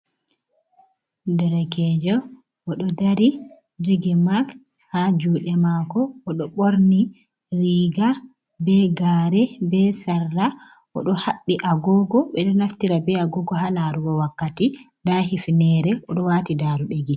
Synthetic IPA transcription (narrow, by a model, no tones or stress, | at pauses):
dɛɾɛkɛd͡ʒɔ | ɔɗɔdaɾi | deɡɛmak | had͡ʒuɗɛmakɔːɗɔɓoɾni | ɾiːɡa | bɛɡaɾɛbɛsarːa | ʔɔ̰ɗɔhaɓːiʔaɡɔɡɔɓɛɗɔnaftiɾabɛaɡɔɡɔɦanaɾuɡɔwakːati | dahifnɛɾɛʔɔɗɔwaːtidaːɾuɗeɡi